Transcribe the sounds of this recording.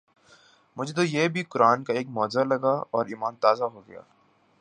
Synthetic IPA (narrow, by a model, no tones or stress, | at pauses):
mʊd͡ʒʱet̪ojeːbʱikʊɾaːnkaeːk̚mɔːzalɐɡaɔːɾiːmaːnt̪aːzaɦoɡɐja̰ː